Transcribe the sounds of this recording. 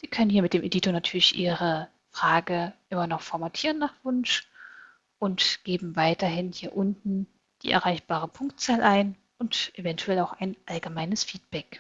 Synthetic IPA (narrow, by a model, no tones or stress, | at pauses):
z̥iːkʰœnənhiːɐmɪt̚d̥eːmʔediːtonatʰyːɐlɪçʔiːʁə | fʁ̥aːɡəʔɪmɐnɔχfɔɐmatʰiːʁənːaːχv̥ʊnʃ | ʔʊntɡ̥eːbm̩vaɪtɐɦɪnhiːɐʔʊntn̩ | d̥ḭːʔɛ̰ɐʁaɪçb̥aːʁ̞əpʰʊŋktt͡saːlʔaɪn | ʔʊntʔevɛntʰuɛlaʊxaɪnʔalɡəmaɪnəsfiːt̚b̥ɛk